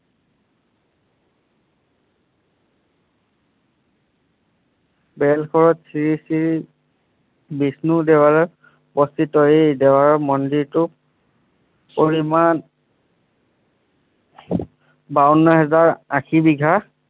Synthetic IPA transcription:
bɛlkʰɔɹɔtsiɹisiɹ | bisnudɛwaɹɔ | pɔstitɔɦejdɛwaɹɔmɔndiɹtʊ | poɹiman | baɔnːɔɦɛzaɹakʰibiɡʱa

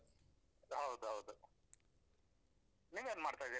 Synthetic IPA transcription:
ɦɐwd̪uɦɐwd̪u | niːʋjanmaːɖt̪ajd̪i

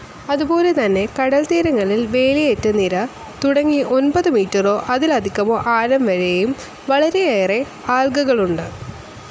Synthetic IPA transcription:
ɐðubo̞ːle̞t̪ɐnːe̞kɐɽɐlt̪iːɾɐŋːɐɭilʋe̞ːɭijetːɨnːiɾɐ | t̪uɽɐŋːiʔo̞nbɐðɨmiːtːɐro̞ːʔɐðilɐd̪ʱikʲːɐmoːʔaːɾɐmʋɐɻejum | ʋɐɭɐɾeeːre̞ | aːlɡɐɣɐɭuɳɖɨ

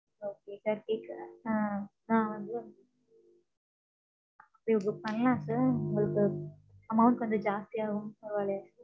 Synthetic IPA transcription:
oːkesaːɾkeːkːã | ãːʋɐnd̪ɯ | ɐpːɐɽiʊŋɡɯpɐnːlãːsaːɾʊŋɡɐɭɯkːɯ | ɐmɐʊɳʈʋɐnd̪ɯd͡ʒaːst̪iaːɣɯ̃mɐɾɯʋaːlɐjaːsa

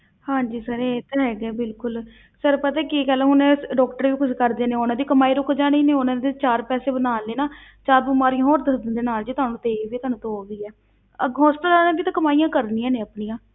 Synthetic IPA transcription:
hãːɲd͡ʒiːsəɾet̪ɦɛːɡɛːbɪlkʊl | səɾpət̪ɛːkikɛːlãɦʊneːɖɔːkʈəɾʋiːkʊt͡ʃkəɾd̪eːneːoːnãːd̪iːkəmaːiːɾʊkd͡ʒaːɽ̃iːneːonãːd̪eːt͡ʃaːɾpɛːseːbənaːleːnaː | t͡ʃaːɾbuːmaːɾijãːɦoːɾd̪əsd̪ənd̪eːnaːld͡ʒiːt̪ʊɦaːnũːt̪eːʋiːt̪ʊaːnũːt̪oːɡəiːɛː | əɡɦõːspəlaːnãːbiːt̪ãːkəmaːijãːkəɾniːãːneːəpnijãː

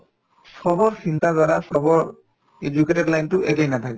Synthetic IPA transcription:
sɔbɔɹsintazaɹasɔbɔɹ | ed͡ʒuketɔdlajntʊʔɛkɛjnatʰakɛ

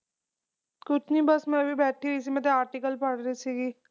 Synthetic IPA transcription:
kʊt͡ʃʰniːbəsmɛ̃ːbiːbɛːʈʰiːɪs̬imɛ̃t̪̬eaːɾʈikəlpəɽɾiːsiːɡiː

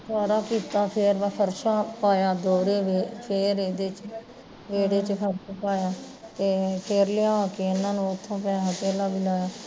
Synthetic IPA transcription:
t̪ʰaːɾaːkiːt̪aːpʰeɾʋaːkʰəɾʃaːpaːjaːd̪oːɾeːʋepʰeːɾeːd̪eːt͡ʃ | ʋeːɽeːt͡ʃkʰəɾsapaːjaː | t̪eːpʰeːɾlɪãːkeːɪnːãːnũːʊt̪ʰːãːpɛ̃ːaːk̪eːlaːbɪlaːjaː

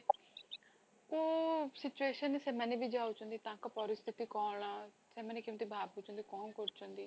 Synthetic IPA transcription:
oːsɪt͡ʃueːʃənsɛːmɛneːbiːd͡ʒaːut͡ʃõːnd̪iːt̪ãːkəpɔːɾɪst̪ʰɪt̪iːkɔːlãː | sɛːmɛːneːkɪmt̪iːbʱaːbuːt͡ʃõnd̪iːkɔːnkʊɾt͡ʃõnd̪iː

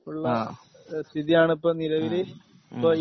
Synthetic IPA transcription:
uɭːɐ | st̪ʰiðijaːɳɨipːoːniɾɐʋiɾe | pːoː

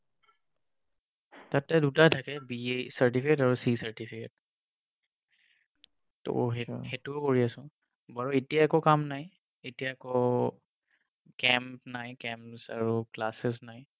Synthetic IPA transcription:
tatɛdutatʰakɛbiesaɹtipʰiketaɹusisaɹtipʰiket̚ | to̰ɦehetukoɹiasʊ̃ | baɹɔetijaɛkokamnaj | etijako | kɛmpnajkɛmpsa̰ɹuklasɛsnaj

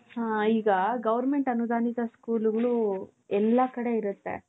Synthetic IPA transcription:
hɦaːiːɡɐɡɐʋɐɾme̞ɳʈɐnud̪aːnid̪ɐskuːluɡɐɭu | ɛlːɐkɐɽe̞iɾut̪ːḛ

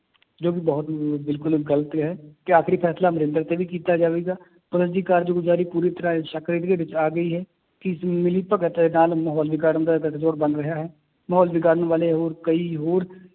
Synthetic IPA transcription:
d͡ʒoːk̬ɪbɔːt̪bɪlkʊlɡələt̪ɦɛːkɪaːkʰɾiːpʰɛːslaːməɾɪ̃nd̪əɾt̪eːʋiːkiːt̪aːd͡ʒaːʋeːɡaː | pʊɾəd͡ʒ̪iːkaːɾd͡ʒoːɡʊd͡ʒaːɾiːpuːɾiːt̪əɾãːʃəkɾɪt̪d̪eːʋɪt͡ʃaːɡəiːɦɛː | kɪɪsmɪlipəkət̪eːnaːlməɦɔːlʋɪɡaːɾənd̪akəd͡ʒoːɾbənɾəɦaːɦɛː | məɦɔːlʋɪɡaːɾənʋaːleɦoːɾkəiːɦoːɾ

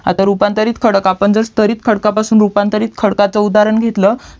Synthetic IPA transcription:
a̰t̪aɾupant̪əɾiːt̪kʰəɽkapəɳd͡zəɾst̪ʰəɾiːt̪̚kʰəɽkapasuːnɾupant̪əɾiːt̪̚kʰəɽkat͡səud̪aɾəɳɡʱet̪lə

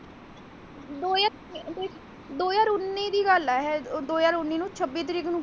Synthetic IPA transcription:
d̪oːjaː | d̪oːjaːɾʊnːiːd̪iːɡəlɛɦɛːd̪oːjaːɾʊnːiːnũːt͡ʃʰəbːiːt̪̬ɾiːknũː

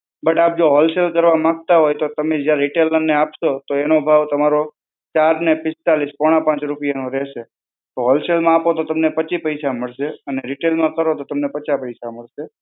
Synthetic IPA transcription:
bəʈap̚d͡ʒoɦɔlselkəɾʋamãk̚t̪aɦojt̪ot̪əmed͡ʒjaɾɾɪʈelənːeapʃot̪oenobʱaʋt̪əmaɾo | t͡ʃaɾnepɪst̪alispɔɽ̃ãpãt͡ʃɾupijanoɾɛʃe | t̪oɦɔlselmãapot̪ot̪əmnepət͡ʃipəjsaməɭʃeəneɾɪʈelmãkəɾot̪ot̪əmnepət͡ʃapəjsaməɭʃe

